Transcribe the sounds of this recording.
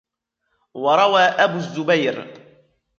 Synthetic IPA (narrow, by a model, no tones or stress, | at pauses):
wɑɾˤɑwaːʔabʊzːʊbajɾ